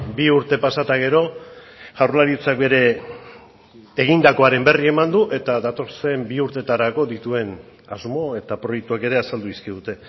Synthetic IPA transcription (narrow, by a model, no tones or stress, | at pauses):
biuɾt̪e̞pasat̪aɣ̞e̞ɾo̞ | ʝawɾlaɾit͡sak̚be̞ɾe̞ | ɣ̞ind̪ako̞aɾe̞mbe̞rie̞mand̪uʔe̞t̪aðat̪o̞se̞mbiuɾt̪e̞t̪aɾako̞ðit̪ue̞n | azmo̞e̞t̪apɾo̞jek̚t̪uake̞ɾe̞asald̪uiskiðut̪e̞